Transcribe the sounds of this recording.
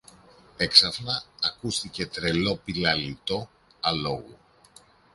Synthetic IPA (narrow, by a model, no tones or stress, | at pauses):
e̞ksɐfnɐːkust̪ice̞t̪ɾe̞lo̞pilɐlit̪o̞ | ɐlo̞ɣu